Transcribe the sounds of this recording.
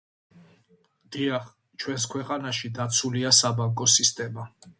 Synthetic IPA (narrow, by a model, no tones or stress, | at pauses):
d̪̥iaχ | t͡ʃʰwɛns̬kʰwɛqʼanaʃid̪at̪sʰuliasabaŋkʼɔsist̪ʼɛma